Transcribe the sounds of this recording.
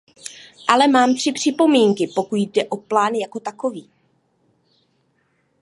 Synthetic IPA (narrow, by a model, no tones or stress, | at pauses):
ʔalɛmaːmt̪r̝̥ɪpr̝̥ɪpo̞miːŋkɪpo̞kut̪dɛʔo̞plaːnjako̞t̪ako̞viː